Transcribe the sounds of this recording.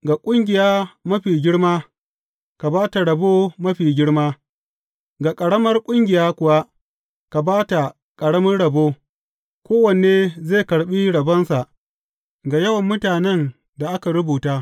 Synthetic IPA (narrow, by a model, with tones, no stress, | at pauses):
ɡa˨kʷʼʊ˦ŋɡʲɪ˨jaː˦mɐ˦ɸiː˨ɡʲɪ˦ɽmaː˦ | ka˨baː˦ta˨ɽɐ˨boː˦mɐ˦ɸiː˨ɡʲɪ˦ɽmaː˦ | ɡa˨kʼɐ˨ɽɐ˦mɐ˦rkʷʼʊ˦ŋɡʲɪ˨jaː˦kʷʊ˨wa˦ | ka˨baː˦ta˨ | kʼɐ˨ɽɐ˦mɐ˦nɽɐ˨boː˦ | kʷoː˦wɐ˨n˨eː˦zeː˦˨kɐ˨ɽɓi˦ɽɐ˨bɐ˦nsa˨ʔ | ɡa˨jɐ˦wɐ˨mːʊ˦taː˨nɛ˦n | da˨ʔa˦ka˨ɾʊ˦buː˨taː˦